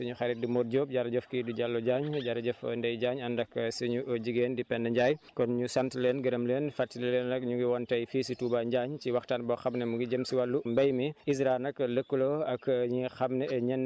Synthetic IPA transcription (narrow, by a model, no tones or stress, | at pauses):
sɐɲuxɐɾit̚dimoːt̚ɟoːp̚ɟaɾɐɟɔfkiduɟalːɔɟaːɲɟaɾɐɟɔfndɛjɟaːɲɐndɐksɐɲuɟiɡeːndipɛndɐɲɟajkɔnɲusɐmtileːnɡɐɾəmleːnfatːillenɐkɲuŋɡiwɔntɐjfiːsituːbaɲɟaːɲciwɐxtanbɔxɐmnɐmuɡiɟəmsiwalːumbɐjmiis̬ɾanɐkləkːuloɐkɲixɐmnɛɛɲɛn